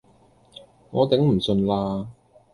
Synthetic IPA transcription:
ŋɔː˨˧t̪ɪ˨˥ŋm̩˨˩sɵ˧nlaː˧

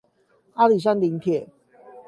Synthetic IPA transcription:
a˦li˨˩s̬a˥˦nli˨˦ŋp̪ʰjɛ˨˩

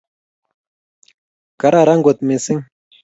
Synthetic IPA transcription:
ka˨ɾa˦˨ɾa˦ŋɡo˨t̪̚me˨si˦ŋ

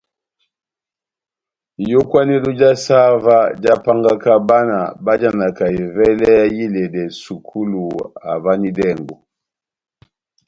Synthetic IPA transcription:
jɔ˦kwa˦nɛ˦lu˦d͡ʒa˦sa˦va˦d͡ʒa˦pa˦ŋɡa˦ka˦ba˦na̰˨ba˦d͡ʒa˦na˨ka˨i˨vɛ˦lɛ˦ja˦ji˦lɛ˨dɛ˨su˨kʰu˦lu˨a̰˨va˦ni˦dɛ˦˨ŋɡɔ˨

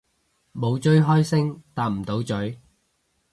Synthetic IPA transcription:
mo˨˧wt͡ʃɵ˥ɥɦɔː˥jsɪ˥ŋt̪aː˧p̚m̩˨˩t̪o˨˥wt͡ʃɵ˨˥ɥ

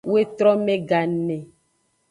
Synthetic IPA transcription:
we˦t̪ɾɔ˦mẽ˦ɡa˨nɛ̃˨

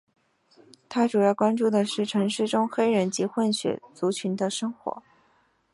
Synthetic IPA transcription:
t̪ʰa˥ʈ͡ʂu˨˩jɑ˥˩ʊkwa˥nʈ͡ʂu˥˩d̪ə˩ʂɻ̩˥˩ʈ͡ʂʰɤ˧˥ŋʂɻ̩˥˩ʈ͡ʂʊ˥ŋxe˥ɪɻə˧˥nt͡ɕi˧˥xwə˥˩nɕɥɛ̰˧˥t͡su˧˥t͡ɕʰy˧˥nd̪ə˧ʂɤ˥ŋxwɔ̰˧˥

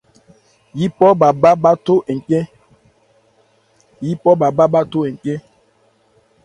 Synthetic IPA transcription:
ji˦pɔ˦ba˨ba˦ba˦to˦ʔe˨ŋ˨kɛ˦ | ji˦pɔ˦ba˨ba˦ba˦to˦e˨ŋ˨kɛ˦

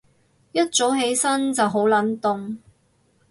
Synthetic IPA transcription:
jɐ˥t̚t͡so˨˥wɦe˨˥jsɐ˥nt͡sɐ˨wɦo˨˥wlɐ˨˥nt̪ʊ˨ŋ

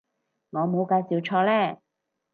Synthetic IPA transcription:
ŋɔː˨˧mo˨˧wkaː˧jsiː˨wt͡ʃʰɔː˧lɛː˥˩

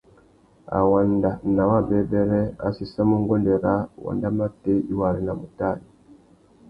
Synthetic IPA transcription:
a̰˨wa˨nda˨na˨wa˦bɛ˨˦bɛ˦ɾɛ˦a̰˨si˦sa˦mu˦ŋ˦ɡɔ˦ndɛ˨ɾa˦wa̰˨nda˦ma˦te˦i˦wa˨ɾi˨˦na˨mu˨ta˦˨li˨

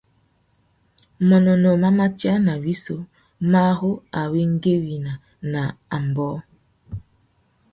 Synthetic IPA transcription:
mɔ˨nɔ˨nɔ˨ma˦ma˦t͡ʃja˦na˨wi˦so˦ | ma˦hʊ˦a˨we˦ŋ̩˦ɡe˦wi˨na˨ | na˨a˨m˨bɔ˦

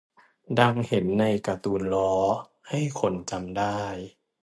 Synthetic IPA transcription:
da˧ŋhe˨˩˦nːa˧jka˧t̪uː˧nlɔː˦˥ | ha˥˩jkʰo˧nt͡ɕa˧mdaː˥˩j

